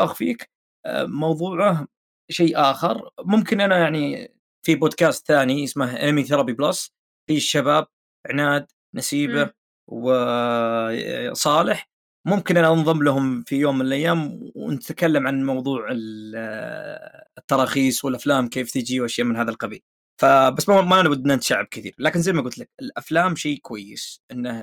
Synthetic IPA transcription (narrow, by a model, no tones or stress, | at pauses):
ʔaxfḭːk | mɑwðˤuːʕa | ʃeːʔaːxɪɾˤmʊmkɪnʔanajaʕni | fiboːd̪̚kaːst̪θaːnijɪsmaɦʔɪ̰nmiθɑɾˤɑbiblas | fiʃːabaːb̚ | ɪʕnaːd̪ | nasiːba | wɪ | sˤɑːlɪħ | mʊmkɪnʔanaʔɑnðˤɨmlaɦʊmfijoːmːɪnɪlʔajːaːmnɪt̪akalːamʕanmɑwðˤuːʕɪl | t̪ːɑɾˤɑːxiːsˤwɪlʔaflaːmkeːft̪ɪd͡ʒiwʔaʃjaːʔmɪnɦaːðalqɑbḭːl | fabasːmamaʔanawʊd̪ːnant̪aʃaʕːab̚kɪθḭːɾlaːkɪnzajmaɡʊlt̪lakɪlʔaflaːmʃiːkwajːɪ̰sʔɪnːa